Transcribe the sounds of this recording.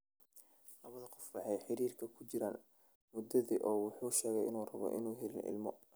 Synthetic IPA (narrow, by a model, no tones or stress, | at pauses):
lɐβɐðɐqɔfwɑħɑjħɪɾiːrkʰɐkʰʊt͡ʃɪɾa̰ːn | mʊd̪ɐðiːʔɔːwʊħuːʃɛːɣɛjɪnuːrɐβɔ̰ʔɪ̰nuːɦɛlɪ̰nɪ̰lmɔ̰